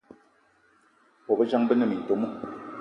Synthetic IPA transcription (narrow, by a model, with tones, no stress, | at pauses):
pɔ˨bə˦d͡ʒa˦ŋbə˦nə˦˨mi˨n̩˨to˨mu˦